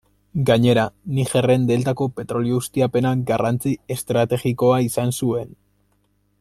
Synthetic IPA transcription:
ɡaɲe̞ɾaniʝe̞re̞nd̪e̞lt̪ako̞pe̞t̪ɾo̞lioust̪iape̞naɡarant͡sie̞st̪ɾat̪e̞ɣiko̞aisansue̞n

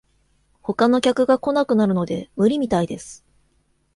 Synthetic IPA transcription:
ho̞kano̞kʲakɯ̟ɡako̞nakɯ̟naɾɯ̟no̞d̪e̞mɯ̟ɾʲimʲit̪aid̪e̞sɨ̥

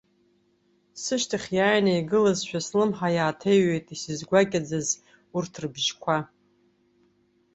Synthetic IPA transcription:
sɨʃtʰaχʲjaːjnaiɡɨlazʃʷᶣaslɨmħajaːtʰejɥejtʼisɨzɡʷakʲʼad͡zaz | urtʰrɨbʒkʷʰa

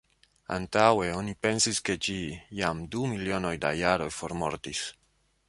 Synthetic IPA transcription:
a̰nt̪awe̞o̞nipe̞nsiske̞d͡ʒijamdumilio̞no̞jda̰jaɾo̞jfo̞ɾmo̞̰ɾt̪is

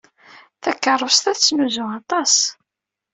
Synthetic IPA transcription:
θækːərˤːəvst̪æθt͡sːnuzʊɑt̪ˤɑs

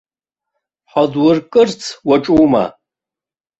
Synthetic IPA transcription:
ħadwʊrkʼɨrt͡sʰwaʈ͡ʂʼuma̰

